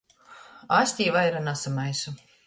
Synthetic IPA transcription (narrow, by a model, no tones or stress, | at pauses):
asʲt̪ʲiːvajɾanasamajsu